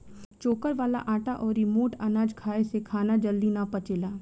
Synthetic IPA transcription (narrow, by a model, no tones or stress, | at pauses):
t͡ʃoːkəɾʋaːla̰ʔãːʈaʔɔːɾɪmoːʈɐnaːd͡ʒkʰaːesekʰaːnad͡ʒəld̪inapɐt͡ʃeːlaː